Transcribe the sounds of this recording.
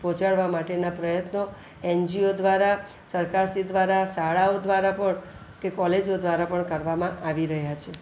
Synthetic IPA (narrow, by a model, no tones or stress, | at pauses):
pɔ̃t͡ʃaɭʋamaʈenapɾəjət̪no | ɛnd͡ʒiod̪ʋaɾa | səɾkaɾsid̪ʋaɾasaɭaod̪ʋaɾapəɳ | kekɔled͡ʒod̪ʋaɾapəɳkəɾʋamãʔaʋiɾəɦjat͡ʃʰe